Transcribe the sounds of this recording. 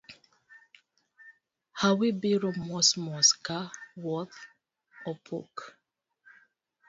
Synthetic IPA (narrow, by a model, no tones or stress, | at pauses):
hawibiɾɔmmɔsmɔskawɔθ | ɔpʰṵk